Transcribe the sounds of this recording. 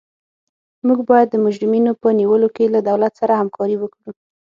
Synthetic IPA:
muɡbɑjad̪ːəmʊd͡ʒɾɪminopəniwəlokelad̪awlat̪saɾahamkʰɑɾiwəkɽu

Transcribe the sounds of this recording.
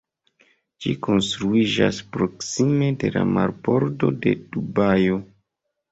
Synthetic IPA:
d͡ʒiko̞nstɾuid͡ʒa̰spɾo̞ksime̞de̞lamaɾbo̞ɾdo̞de̞d̥ubajo̞

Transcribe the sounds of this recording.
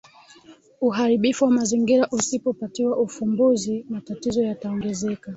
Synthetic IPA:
uɦaɾiɓifuwamaziŋɡiɾaʔusipɔpatiwaʔufumbuzimatatizɔjataɔŋɡɛzɛka

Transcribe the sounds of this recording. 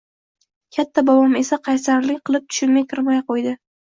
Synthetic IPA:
kʲʰat̪ʰːabɒwɒme̞saqʰɑjsaɾlɪkʲqʰɨlˠɪp̚t̪ʰʊ̥ʃʊnmajkʰʲɪɾmajqojd̪ɪ

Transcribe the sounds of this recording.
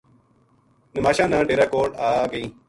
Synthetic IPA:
nəmaːɕãːnãːʈeːɾaːkoːʈaːɡɐiː

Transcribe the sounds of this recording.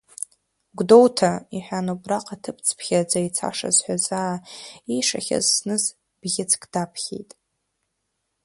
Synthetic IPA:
ɡʷdowtʰaiħʷᶣanobraqʼatʰɨpʰt͡sʰpʰχʲad͡zait͡sʰa̰ʂa̰zħʷᶣazaːiʂaχʲa̰zsnɨz | b̥ɡʲɪt͡sʰkʰʼd̥apʰχʲḛjtʼ

